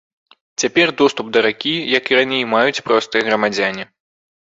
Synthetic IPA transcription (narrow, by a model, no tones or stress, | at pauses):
t͡sʲapʲɛrd̪ɔst̪upd̪ɐɾakʲijɐkiɾanʲejmajut͡sʲpɾɔst̪ɨjɐɣɾɐmad͡zʲanʲi